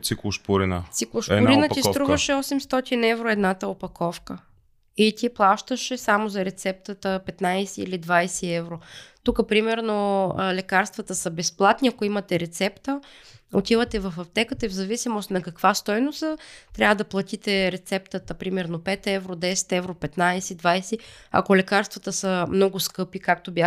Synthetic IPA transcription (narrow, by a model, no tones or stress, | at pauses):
t̪siklˠʊʃpʊɾinə̰siklˠoʃpʊɾinət̪ist̪ɾuvəʃɛɔsɛmst̪ɔt̪inɛvɾoɛd̪nat̪əopɐkʰɔfkə | it̪ʲiplˠaʃt̪əʃɛsamozɐɾɛt̪sɛp̚t̪ət̪əpɛt̪najsɛḭlid̪vajsɛɛvɾot̪ukəpɾimɛɾnolɛkaɾst̪vɐt̪əsəbɛsplˠat̪niɐkoimɐt̪ɛɾɛt̪sɛpt̪əot̪ivət̪ɛvɐfɐft̪ɛkət̪əivzɐvisimost̪nɐkɐkvast̪ɔjnost̪t̪ɾʲavəd̪ɐplˠɐt̪it̪ɛɾɛt̪sɛpt̪ət̪əpɾimɛɾnopɛt̪ɛvɾod̪ɛsɛ̥t̪ɛvɾopɛt̪najsɛd̪vajsɛɐ̰kolɛkaɾst̪vɐt̪əsəmnɔɡʊskɤpikakt̪obʲja